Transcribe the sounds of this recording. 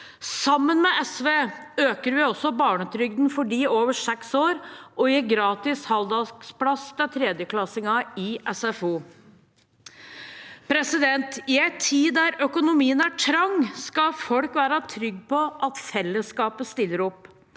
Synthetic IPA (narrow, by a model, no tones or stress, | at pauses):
sɑmːənmɛɛsʋeːøːkəɾʋɪɔsːɔbɑːɳət̪ʰɾʏɡ̚d̪n̩fɔɖiːoːʋəʂɛksoːɾʔɔjiɡɾɑːt̪ɪshɑld̪ɑɡsplɑsd̪æt̪ʰɾeːd̪jəkʰlɑsɪŋɑɪʔɛsɛfuː | pʰɾɛsɪd̪ɛnt̪ɪæɪt̪ʰːiːæɾœkʊnʊmiːənæʈʰɾɑŋːskɑfɔlkʋæːɾɑt̪ʰɾʏɡːpʰɔʔɑt̪fɛlːəskɑːpəst̪ɪlːəɾʊpː